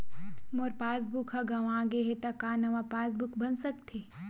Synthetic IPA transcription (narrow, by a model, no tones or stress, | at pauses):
moɾpaːsbukɦɐɡaʋãːɡeɦet̪ɐkaːnɐʋapaːsbukbɐnsɐkt̪ʰeː